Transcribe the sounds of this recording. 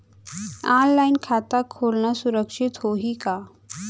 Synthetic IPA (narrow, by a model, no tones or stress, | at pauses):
ãnlainkʰat̪akʰolnasuɾəkʂit̪ɦoɦika